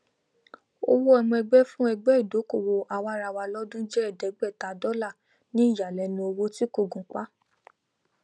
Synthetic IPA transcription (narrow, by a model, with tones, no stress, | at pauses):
o̰˧wo˦ɛ˧mɔ̃˧ɛ˧ɡ͡bɛ˦fũ˦ɛ˧ɡ͡bɛ˦i˦˨do˨˦ko˦˨wo˧ʔa˧wa˧˦ɾa˧wa˧lɔ˦dũ˦d͡ʒɛ˦ɛ˦˨dɛ˨˦ɡ͡bɛ˦˨ta˨dɔ˦la˦˨ | nĩ˦i˦˨ja˨lɛ˧nĩ˧o˧wo˦ti˦ko˦˨ɡũ˨k͡pa˦